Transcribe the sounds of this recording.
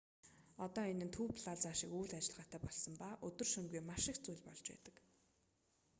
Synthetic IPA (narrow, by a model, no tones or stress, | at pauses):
ɔt̪ɔːenɘ̆nt̪ʰuːwpʰɮaɮt͡saːʃɪ̆kuːɮat͡ɕɪ̆ɮʁaːt̪ʰæːpɔɮsɞ̆mpaːʔɵt̪ɵ̆rʃɵŋɡujmaʃɪ̆kt͡sujɮpɔɮt͡ɕpæ̰ːt̪ə̆k